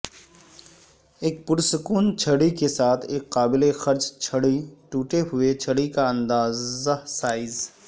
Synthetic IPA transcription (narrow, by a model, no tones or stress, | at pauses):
eːk̚pʊɾsʊkuːnt͡ʃʰɐɽikesaːt̪ʰeːkːaːbɪlexɐɾt͡ʃt͡ʃʰɐɽiʈuːʈeɦʊet͡ʃʰɐɽikaɐ̃nd̪aːzəsaːɪz